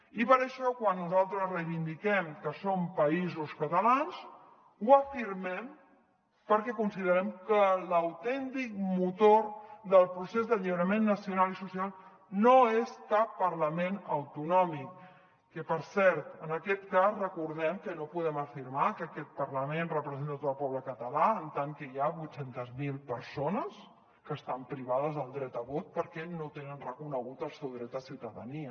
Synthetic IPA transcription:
ipəɾəʃɔkwanːuzalˠt̪ɾəzrejβind̪ikɛmkəsompəizuskət̪əlans | uəfiɾmɛm | pəɾkɛkunsiðəɾɛmkələwt̪ɛnt̪ik̚mut̪oɾðəlˠpɾusezðəʎiβɾəmenːəsiunalisusialˠ | noest̪apəɾləmenəwt̪unɔmikː | əpəɾsɛɾt̪ənəkɛt̪kazrəkuɾðɛmkənopuðɛməfiɾmakəkɛt̪̚pəɾləmenrəpɾəzent̪at̪oəlˠpɔβləkət̪əlaənt̪aŋkəiaβujsent̪əzmilˠpəɾsonəs | kəːst̪ampɾiβað̞əzðəlˠd̪ɾɛt̪əβot̪̚pəɾkɛnot̪enənrəkunəɣ̞ut̪əlˠsɛwðɾɛt̪əsiwt̪əðə̰niə

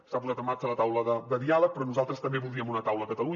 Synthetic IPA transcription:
sapuzat̪əmːaɾt͡ʃələt̪awləðəd̪əðialək̚pɾɔnuzalˠt̪ɾəst̪əmbeβulˠiəmunət̪awləkət̪əlu

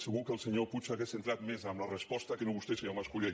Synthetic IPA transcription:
səɣukəːlˠsəɲoput͡ʃaɣesent̪ɾat̪mezəmlərəspɔst̪əkənoβust̪esʎawmaskuʎe

